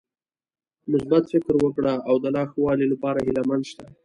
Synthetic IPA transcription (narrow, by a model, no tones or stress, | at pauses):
mʊsbat̪fɪkɾwəkɽaawd̪əlɑxwɑlilapɑɾaɦɪlamand̪ʃt̪a